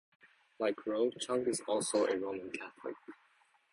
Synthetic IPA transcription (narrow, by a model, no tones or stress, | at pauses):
laɪkʰɹoʊt͡ʃʰʌ̃ŋkɨzɔlˠsoʊʔəɹoʊ̃mə̃nkʰæθlɪ̰k̚